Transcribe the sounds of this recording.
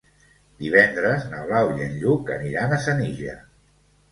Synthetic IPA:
d̪̥iβ̞ɛnd̪ɾəznəβlawiənʎukə̰niɾanəsəniʒə̰

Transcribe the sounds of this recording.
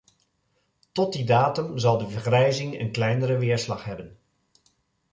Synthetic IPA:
tɔt̚didaːtɵmzɑlˠdəvəɹχrɛjzɪŋə̰nklɛjnəɾəʋɪːɹslɑχɦɛbən

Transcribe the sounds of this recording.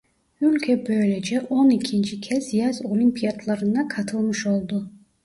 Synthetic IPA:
ylʲkʲʰɛbøjled͡ʒɛʔonikʲʰint͡ʃʰikʲʰɛzjazolʲimpʰijad̪lˠɑɾɯnd̪ɑkʰɑt̪ʰɯlˠmɯʃo̞lˠd̪ʊ

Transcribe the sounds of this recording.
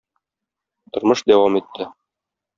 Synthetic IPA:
t̪ŏɾmɤʃd̪æwɑmit̪ʰːɘ

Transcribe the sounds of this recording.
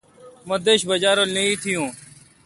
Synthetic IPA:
mə̃d̪eːʃbəd͡ʒaːɾoːlnəĩːt̪ʰɪjõː

